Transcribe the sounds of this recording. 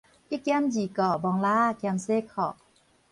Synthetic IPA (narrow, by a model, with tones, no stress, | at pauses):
ʔi˦˨kɛ˧˥˨md͡ʒi˨kɔ˧˩bɔ˧˦ŋlaː˧˥˨kɛ˧mse˧˥˨kʰɔ˧˩